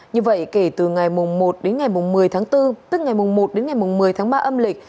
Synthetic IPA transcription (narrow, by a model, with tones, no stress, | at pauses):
ɲɨ˧və̰˧˨jke˧˩t̪ɨ˨˩ŋa˨˩jmʊ˨˩ŋ͡mmo˨˩t̚ɗe˨˦nŋa˨˩jmʊ˨˩ŋ͡mmɨ˨˩əjt̪ʰaː˨˦ŋt̪ɨ˧t̪ɨ˦˥k̚ŋa˨˩jmʊ˨˩ŋ͡mmo˨˩t̚ɗe˨˦nŋa˨˩jmʊ˨˩ŋ͡mmɨ˨˩əjt̪ʰːŋɓaː˧ʔə˧mlï˨˩k̟̚